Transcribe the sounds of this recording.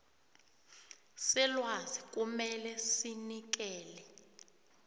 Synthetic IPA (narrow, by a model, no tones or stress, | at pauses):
sɛlwazik̬ʼumɛlɛsinik̬ɛːlɛ